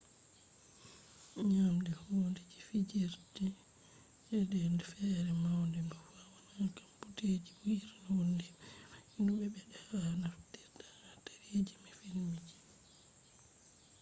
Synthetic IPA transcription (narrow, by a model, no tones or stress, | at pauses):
ɲamdɛhoːndɛd͡ʒifid͡ʒiɾdi | ɛdɛndɛfɛːɾɛmawndɛmbɔfawanankamputed͡ʒiuhiɾhondɛinuɓɛɓɛɗɛanaftiɾtanataɾed͡ʒimɛfilmid͡ʒi